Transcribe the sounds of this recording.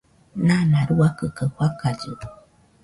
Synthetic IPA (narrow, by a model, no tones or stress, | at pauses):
nãnãɾuakɯkəhwakaɟɨ